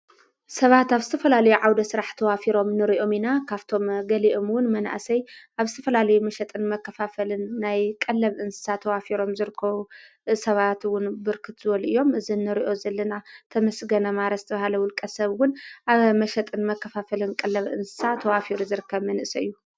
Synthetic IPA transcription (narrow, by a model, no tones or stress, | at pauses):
sɐβat̪aβzɨt̪ʰɐfɐlalɐjuʕawd̪ɐsɨɾaħt̪ʰɐwafiɾo̞mnɨɾiʔo̞minakʰaβt̪ʰo̞mɡɐliʔo̞mwʊnmɐna̰ʔsɐjʔaβzɨt̪ʰɐfɐlalɐjumɐʃɐt̪ʼɨnmɐkːɐfafɐlɨnːajkʼɐlːɐβʔɨnsɨ̥sat̪ʰːɐwafiɾo̞mzɨɾɨkʰːɐβu | sɐβat̪wʊnbɨɾkʰɨt̪z̥ɨβɐluʔɨjːo̞mɨzinːɨɾiʔo̞zɐlːɐnat̪ʰɐmɐsɡɐnɐmaɾɐzɨt̪ʰɐβahalɐwʊlkʼɐsɐβwʊnʔaβmɐʃɐt̪ʼɨnmɐkʰːɐfafɐlɨnkʼɐlːɐβʔɨ̰nsɨ̥sat̪ʰɐwafiɾuzɨɾɨkʰːɐβmɐnɨʔsɐɨjːu